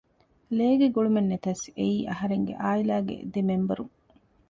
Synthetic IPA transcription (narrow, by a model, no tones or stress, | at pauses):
leːɡeɡoɭumenːet̪ɐseiːʔɐɦɐɾeŋɡḛʔaːilaːɡḛd̪emembɐɾuŋ